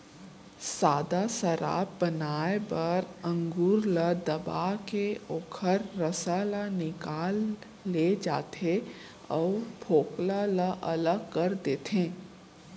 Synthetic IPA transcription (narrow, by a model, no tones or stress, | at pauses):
saːd̪asəɾa̰ːp̚bənaːebɐɾə̃ŋɡuːɾləd̪ɐba̰ːkeoːkʰəɾːəsalanɪkaːlː | ed͡ʒaːt̪ʰe | ɔːpʰoːklaləʔɐləɡ̚kɐɾd̪eːt̪ẽː